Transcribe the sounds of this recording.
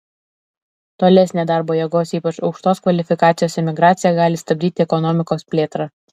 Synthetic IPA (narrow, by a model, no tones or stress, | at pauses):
t̪oːlʲɛsʲnʲeːd̪ɑːˑɾboːjɛɡoːsiːpɐt͡ʃɒʊkʃt̪oːskʋɐlʲɪfʲɪkɑːt̪sʲɪjoːsɪmʲɪɡɾɑːt̪sʲɪjɛɡɑːlʲɪst̪ɐbʲd̪ʲiːt̪ʲɪɛkɔnɔmʲɪkoːspʲlʲeːt̪ɾɑ